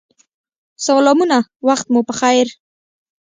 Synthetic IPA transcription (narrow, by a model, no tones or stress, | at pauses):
salɑmunawaxt̪̚mupəxajɾ